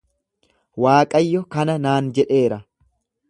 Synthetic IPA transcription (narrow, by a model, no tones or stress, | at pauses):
waːkʼɐjːɔkɐnɐnaːnd͡ʒɛᶑe̞ːɾɐ